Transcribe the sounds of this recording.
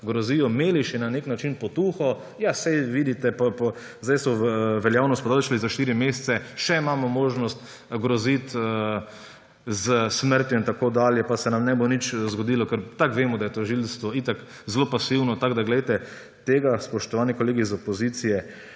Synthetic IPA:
ɡɾɔziːjɔmeːliʃjɛnaneknat͡ʃinpɔt̪uːxɔ | jasɛjʋid̪it̪ɛpapɔ | zd̪ajsɔʋɛljawnɔst̪pɔd̪alʃalizaʃt̪iːɾimeːst̪sɛʃɛimaːmɔmoːʒnɔst̪ | ɡɾɔzit̪ | zəsməɾt̪jɔint̪akoːd̪aːljɛpasɛnamnɛbonit͡ʃzɡɔd̪iːlɔkəɾt̪akʋeːmɔd̪ajɛt̪oʒilst̪ʋɔit̪akzloːpasiwnɔt̪aɡd̪aɡlɛjt̪ɛ | t̪eːɡaspɔʃt̪ɔʋaːnikoleːɡizɔpɔzit̪sijɛ

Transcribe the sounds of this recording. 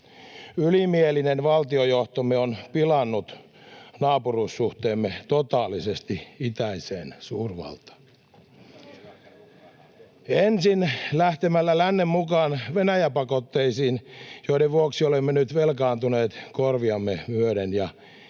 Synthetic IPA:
ylimielinenʋɑlt̪iojoht̪omeonpilɑnːut̪ | nɑːpuruːsːuht̪eːmːet̪ot̪ɑːlːisest̪iit̪æiseːnsuːrʋɑ̰lt̪ɑ̥ | ensinlæht̪emælːælænːemmukɑːnʋenæjæpɑkot̪ːeisiːnjoideʋʋuoksiolemːenyt̪ʋelkɑːnt̪uneːt̪korʋiɑmːemyøɾenjɑ

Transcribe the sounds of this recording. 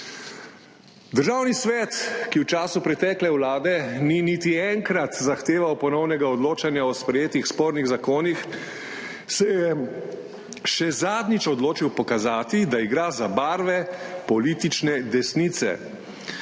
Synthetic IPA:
d̪əɾʒaːwnisʋɛt̪kiwt͡ʃaːsupɾɛt̪ɛːklɛwlaːd̪ɛninit̪iɛŋkɾat̪zaxt̪eːʋawpɔnɔwnɛɡaɔd̪loːt͡ʃanjaɔspɾɛjeːt̪ixspoːɾniɣzakoːnix | sɛjɛ | ʃɛzaːd̪nit͡ʃɔd̪loːt͡ʃiwpɔkazaːt̪id̪aiɡɾaːzabaːɾʋɛpɔliːt̪it͡ʃnɛd̪ɛsnit̪sɛ̰

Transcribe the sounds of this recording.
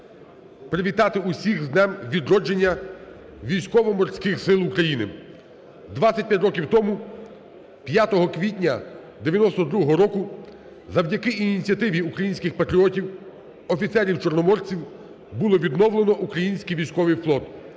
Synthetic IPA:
pɾɪʋʲit̪ɑt̪ɪusʲixznɛmʋʲid̪ɾɔd͡ʒenʲːɐ | ʋʲijsʲkɔʋɔmɔrsʲkɪxsɪlˠʊkɾɐjinɪ | d̪ʋasʲɐt̚ʲpjatʲrɔk̬ʲiwt̪ɔmu | pjat̪ɔɦɔkʋʲitʲnʲɐd̪eʋʲjɐnɔst̪ɔd̪ɾuɦɔɦɔɾɔkʊ | zɐwdʲɐkɪʔinʲit͡sʲijɐt̪ɪʋʲiukɾɐjinʲsʲkɪxpɐt̪ɾʲiɔtʲiw | ɔfʲit̪sɛɾʲiwt͡ʃɔrnɔmɔrt͡sʲiw | bulˠɔʋʲid̪nɔwlˠenɔʔukɾɐjinʲsʲkʲijʋʲijsʲkɔʋɪjflˠɔt̪

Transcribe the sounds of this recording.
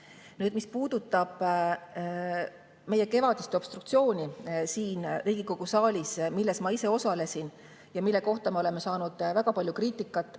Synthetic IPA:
nyːd̪̥mispuːd̪̥ut̪ːˑɑb̥ | me̞je̞ke̞vɑd̪ist̪eo̞b̥st̪ɾuk̚t̪sio̞ːnʲisiːnriːɡ̥iko̞ɡ̥usɑːlʲismilːe̞smɑise̞o̞sɑle̞sin | jɑmilːe̞ko̞ht̪ɑme̞o̞le̞mesɑːnud̪̥væɡ̥ɑpɑlʲjukriːt̪ːˑikːˑɑt̪ːˑ

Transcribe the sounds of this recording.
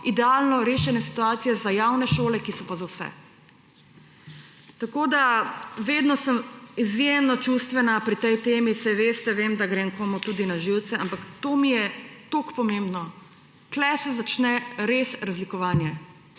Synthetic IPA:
id̪ɛaːlnɔɾeːʃɛnɛsi̥t̪uaːt̪sijɛzajawnɛʃoːlɛkisɔpazawsɛ̰ | t̪akoːd̪aʋeːd̪nɔsəmizjemnɔt͡ʃuːst̪ʋɛnapɾit̪ɛjt̪eːmisɛjʋeːst̪ɛʋeːmd̪aɡɾeːŋkoːmut̪uːd̪inaʒiwt̪sɛampakt̪oːmijɛt̪okpɔmembnɔ | klɛsɛzat͡ʃnɛɾeːsɾazlikɔʋaːnjɛ

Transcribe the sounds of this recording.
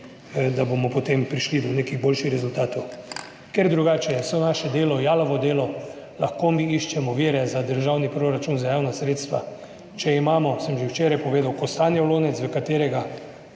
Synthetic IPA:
d̪abomɔpot̪empɾiʃlid̪ɔneːkiɣboːlʃixɾɛzult̪aːt̪ɔw | kɛɾd̪ɾuɡaːt͡ʃɛjɛsɔnaːʃɛd̪eːlɔjaːlɔʋɔd̪eːlɔ | laxkomiiʃt͡ʃɛmɔʋeːɾɛzad̪əɾʒaːwnipɾoɾat͡ʃunzajaːwnasɾeːt̪st̪ʋa̰ | t͡ʃɛimaːmɔsəmʒewt͡ʃeːɾajpɔʋeːd̪awkɔst̪aːnjɛwloːnɛt̪sʋəkat̪eːɾɛɡa

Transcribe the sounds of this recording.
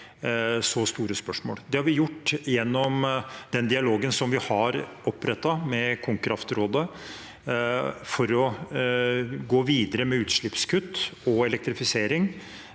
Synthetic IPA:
sɔst̪uːɾəspœʂmo̰ːld̪ɛhɑɾʋɪjʊʈːjɛnːɔmd̪ɛnd̪ɪɑloːɡənsɔmʋɪhɑɾɔpːɾɛt̪ːɑmɛkʰʊŋkɾɑft̪ɾoːd̪ə | fɔɾɔ | ɡoːʋiːd̪əɾəmɛʉːt̪ʂɭɪpskʰʉt̪ːɔɛlɛk̚t̪ɾɪfɪseːɾɪŋ

